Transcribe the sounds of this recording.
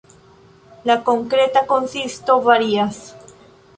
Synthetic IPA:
lako̞ŋkɾe̞tako̞nsisto̞vaɾias

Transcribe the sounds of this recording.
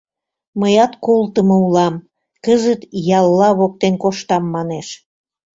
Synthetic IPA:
məjɑt̪kolt̪əmoulɑm | kəzət̪jɑlːɑβok̚t̪enkoʃt̪ɑmːɑneʃ

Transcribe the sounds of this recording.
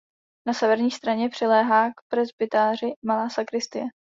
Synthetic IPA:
nasɛvɛɾɲiːst̪ɾaɲɛpr̝̥ɪlɛːɦaːkpɾɛzbɪt̪aːr̝ɪmalaːsakɾɪst̪ɪjɛ

